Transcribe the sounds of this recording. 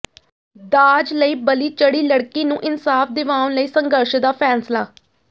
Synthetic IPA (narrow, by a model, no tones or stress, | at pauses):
d̪aːd͡ʒləiːbəliːt͡ʃəɽiːləɽkiːnũːʔɪnsaːfʰd̪ɪʋaːʊnləiːsəŋɡəɾʃd̪aːpʰɛːnslaː